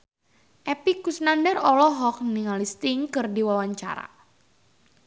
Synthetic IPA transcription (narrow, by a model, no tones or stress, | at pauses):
ʔɛpikusnandɛrɔlɔɦɔk̚niŋalist̪iŋkɨrdiwawaɲt͡ʃa̰ɾa̰